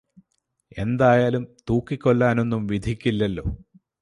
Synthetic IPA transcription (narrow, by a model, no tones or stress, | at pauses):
e̞̰nd̪aːjaːlumt̪uːkːikʲːo̞ɭːaːno̞nːumʋid̪ʱikʲːilːɐlːo̞̰ː